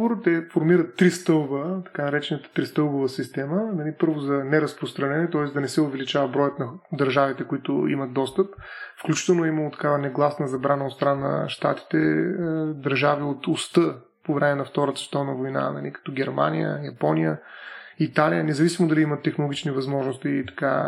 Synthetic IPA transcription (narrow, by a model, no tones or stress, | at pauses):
voɾət̪ɛfoɾmiɾət̪ːɾist̪ɤlˠbət̪ɐ̥kanɐɾɛt͡ʃɛnət̪ə̥t̪ɾist̪ɤlˠbovəsist̪ɛmənɐlipɤɾvʊzɐnɛɾɐspɾost̪ɾɐnɛnɛt̪ɔɛsd̪ɐnɛsɛʊvɛlit͡ʃavəbɾɔjət̪nɐd̪ɐɾʒavit̪ɛkʊit̪ʊ̰ḭmɐt̪̚d̪ɔst̪əpfklʲut͡ʃi̥t̪ɛlˠnʊɛimɐlˠot̪ɐ̥kavənɛɡlˠasnəzɐbɾanəot̪st̪ɾanːə̰ʃt̪a̰t̪i̥t̪ɛ | d̪ɐɾʒaviot̪ʊst̪ɤ | povɾɛmɛnɐft̪ɔɾət̪sɛst̪ɔvnəvojna̰nɐ̰likɐ̥t̪ɔɡʲɛɾma̰nijə̰jɐpɔnijəit̪alijənɛzɐvisimod̪ɐliimət̪ːɛxnolˠoɡit͡ʃnivɐzmɔʒnost̪it̪ɐ̥ka̰